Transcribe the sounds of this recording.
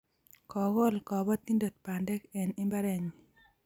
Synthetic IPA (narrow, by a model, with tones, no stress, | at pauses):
kɔ˨ɣo˦lkɔ˨bɔ˦t̪i˦ndo˨t̚pa˨ndɛ˦kɛ˨ni˦mba˦ɾɛ˨ɲi